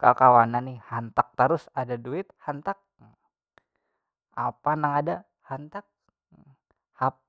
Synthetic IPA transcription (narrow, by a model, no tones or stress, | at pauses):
ka̰lkawananːɪhant̪ak̚t̪əɾʊsadaduɪt̪̚hant̪ak̚ | apanaŋada | hant̪ak̚ | hap̚